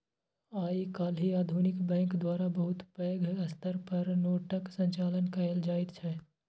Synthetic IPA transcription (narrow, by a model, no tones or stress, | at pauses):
aːikaːlɦiaːd̪ʱunɪkbɛ̃ːŋkd̪waːɾabəɦʊt̪pəːɡʱɐst̪əɾpɐɾnoːʈəksə̃ɲt͡ʃaːlənkaeld͡ʒaːɪt̪t͡ʃʰɛ